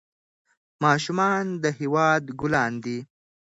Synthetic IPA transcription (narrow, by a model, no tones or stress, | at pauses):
mɑːʃumɑnd̪əhiwɑːd̪ɡʊlɑːnd̪i